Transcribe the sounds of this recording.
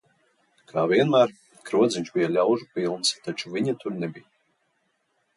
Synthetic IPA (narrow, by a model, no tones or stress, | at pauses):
kʰaːvʲiɛnmæːɾ | kɾuɔd̪ziɲʲt͡ʃbijalʲawʒupilˠnst̪at͡ʃuvʲiɲat̪uɾnɛbija